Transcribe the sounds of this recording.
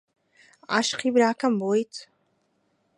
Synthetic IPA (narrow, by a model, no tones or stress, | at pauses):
a̰ʃqibɾaːkʰambojtʰ